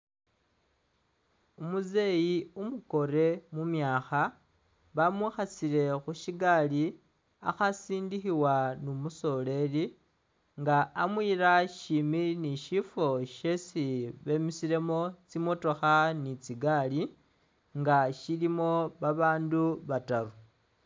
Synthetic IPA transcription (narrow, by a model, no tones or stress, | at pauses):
umuze̞jiumuko̞ɾe̞mumjaːxa | βamwixasiɾe̞xuʃiɡali | a̰xasiːndixiwanumuso̞le̞li | ŋɡaamwiːɾaʃiminiʃifo̞ʃesiβe̞misiɾe̞mo̞t͡simo̞to̞xanit͡siɡali | ŋɡaʃilimo̞βaβaːnduβataɾu